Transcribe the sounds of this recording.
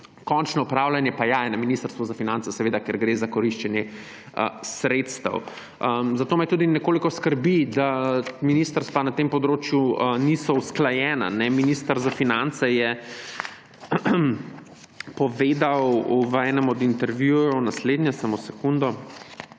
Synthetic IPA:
kɔnt͡ʃnɔupɾawlanjɛpajajɛnaminist̪əɾst̪ʋuzafinant̪ɛsɛʋeːd̪akɛɾɡɾezakɔɾiʃt͡ʃɛnjɛ | ə̰sɾet̪st̪ɐ̰w | əmzat̪oːmɛjt̪uːd̪inɛkoːlikɔskəɾbid̪aminiːst̪əɾst̪ʋanat̪empɔd̪ɾoːt͡ʃjuənisɔusklajɛːna̰nɛminist̪əɾzafinant̪sɛjɛ | pɔʋeːd̪awʋɛːnɛmɔd̪int̪ɛɾʋjujɔwnasleːd̪njɛsamosɛkund̪ɔ

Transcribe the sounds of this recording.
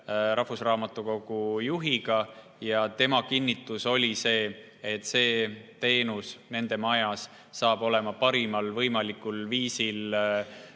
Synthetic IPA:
ɾʔɑhvusrɑːmɑt̪ːˑuko̞ɡ̥ujuɦiɡ̥ɑ | jɑt̪e̞mɑkinːit̪ːˑuso̞lʲise̞ː | et̪ːˑse̞ːt̪e̞ːnusne̞nd̪̥e̞mɑjɑsː | ɑːb̥o̞le̞mɑpɑɾimɑlvɤjmɑlikˑulviːsil

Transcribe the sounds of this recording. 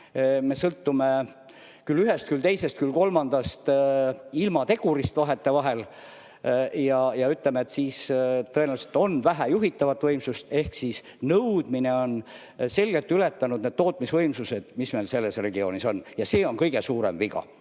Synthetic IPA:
me̞sɤlt̪ːume | kylːyɦest̪̚kylt̪e̞jse̞st̪̚kylko̞lmɑnd̪̥ɑst̪ | ilmɑt̪e̞ɡ̥uɾist̪vɑɦe̞t̪ːe̞vɑɦe̞l | jɑjɑyt̪ˑlemeet̪siːst̪ɤenæʋɑlse̥t̪o̞nvæɦæjuɦit̪ːɑvɑt̪ːˑvɤjmsust̪e̞hksis | nɤwd̪̥mineo̞n | se̞lɡ̥e̞lt̪ːˑyle̞t̪ːˑɑnud̪̥̚ne̞d̪̥̚t̪o̞ːt̪̚ˑmisvɤ̞jmsuse̞d̪̥misme̞lse̞lːe̞sre̞ɡio̞ːniso̞njɑse̞ːo̞nkɤjɡe̞suːɾḛmviɡɑ̰

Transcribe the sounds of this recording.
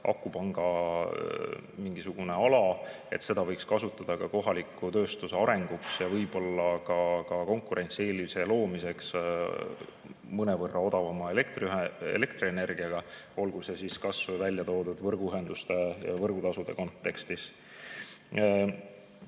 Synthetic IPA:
ʔɑ̰kːˑupɑŋɡ̥ɑ | miŋɡ̥isuɡ̥une̞ɑlɑ | e̞t̪se̞d̪̥ɑvɤjkskɑsut̪ːˑɑd̪̥ɑkɑko̞ɦɑlikːˑut̪ø̞ːst̪useɑɾe̞ŋɡ̥uksjɑvɤjb̥o̞lːɑkɑkɑko̞ŋkuɾʔe̞nt̪sie̞ːliiselo̞ːmise̞ks | mɤne̞vɤrːʔɑo̞d̪̥ɑvɑmɑelekt̪ryɦeḛle̞kt̪riene̞rɡ̥iɑɡ̥ɑo̞lɡ̥use̞siskɑsvvælʲːjɑt̪o̞ːd̪ud̪̥vɤrɡ̥uyɦe̞nd̪̥ust̪e̞vɤrɡ̥ut̪ɑsud̪̥e̞ko̞nt̪ːˑe̞kst̪is

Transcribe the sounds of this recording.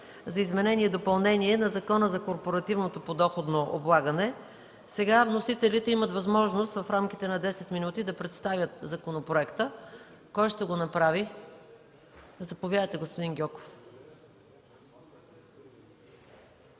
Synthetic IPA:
zɐizmɛnɛnʲiɛd̪opɐlˠnɛniɛnɐzɐkɔnəzɐkoɾpoɾɐt̪ivnot̪opod̪ɔxod̪noʔo̰blˠaɡɐnɛ | sɛɡavnosit̪ɛlit̪ɛimət̪vɐzmɔʒnost̪vɐfɾamkʲit̪ɛnɐd̪ɛsɛt̪minut̪id̪ɐpɾɛt̪st̪avʲjət̪zɐkonopɾoɛkt̪ə | kɔjʃt̪ɛɡonɐpɾavi | zɐpovʲjad̪əjt̪ɛɡospod̪inɡʲɔko̥f

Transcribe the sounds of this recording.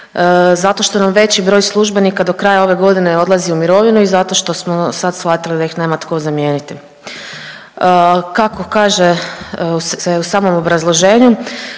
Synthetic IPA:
zat̪o̞ʃt̪o̞namʋe̞t͡ɕibɾo̞ːjslˠuʒbe̞nikad̪o̞kɾaːjao̞ʋe̞ɡo̞d̪ine̞o̞d̪lˠaziumiɾo̞ʋinuizat̪o̞ːʃt̪o̞smosad̪sxat̪ilid̪ajixne̞mat̪kozamje̞ːnit̪i | kako̞kaːʒe | seusaːmo̞mo̞bɾazlˠo̞ʒe̞ːɲu

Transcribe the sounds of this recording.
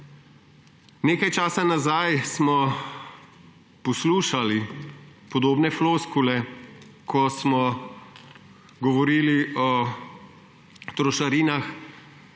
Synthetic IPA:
neːkajt͡ʃaːsanazajsmɔ | pɔsluːʃalipɔd̪oːbnɛfloːskulɛkʰɔsmɔ | ɡɔʋɔɾiːliɔ | t̪ɾɔʃaɾiːnax

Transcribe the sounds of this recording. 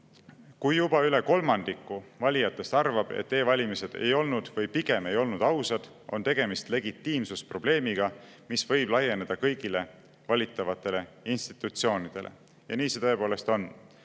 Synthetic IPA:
kujːjubɑyle̞ko̞lmɑnd̪ikːˑuvɑlʲijɑt̪ːˑe̞st̪ɑrvɑb̥ḛt̪ːe̞ːvɑlʲimise̞d̪̥e̞̰jo̞lnud̪̥vɤjpiɡ̥e̞me̞jo̞lnud̪ɑwsɑd̪̥ | o̞̰nt̪e̞ɡ̥e̞mist̪le̞ɡit̪ːiːmsuspro̞b̥le̞ːmiɡ̥ɑ | misvɤjb̥lɑje̞ne̞d̪̥ɑkɤjɡ̥ile̞ | vɑlʲit̪ːˑɑvɑt̪ːˑe̞le̞inst̪i̥t̪ːˑut̪sio̞ːnid̪̥e̞lʔḛ | jɑ̰niːse̞t̪ɤe̞po̞ːle̞st̪o̞n

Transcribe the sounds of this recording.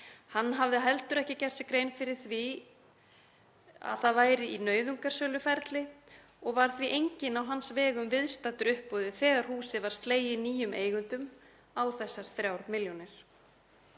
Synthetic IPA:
hanːɦavðɪɦɛlt̪ʏɾɛhcɪcɛr̥t̪sɪkɾeːjnfɪɾɪɾ̥θvi | a̰ðθaðvaːjɾɪinœːɥðuŋkaɾ̥sœːlʏfɛɾt̪lɪ | ɔɣvaɾ̥θviʔejɲcɪnawɦansvɛːɣʏmvɪðst̪at̪ʏɾʏhpɔðɪθɛːɣaɾ̥huːsɪvaɾ̥st̪leːjɪniːjʏmʔeːjɣʏnt̪ʏm | awθɛsːaɾ̥θɾjawɾmɪljɔnɪɾ̥

